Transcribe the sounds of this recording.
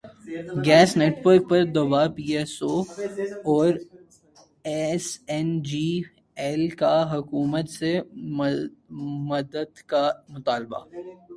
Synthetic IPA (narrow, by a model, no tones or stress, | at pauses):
ɡɛːsneːʈʋəɾk̚pɐɾd̪obapiːeːsoː | ɔːɾ | ɛsɛnd͡ʒiː | ɛlkaɦʊkuːmət̪se | mɐd̪əd̪kamʊt̪aːlba̰ː